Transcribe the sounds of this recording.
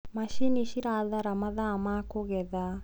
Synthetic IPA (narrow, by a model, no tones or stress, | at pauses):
maʃiniʃiɾaːðaɾɐmɐðaːmakoɣɛða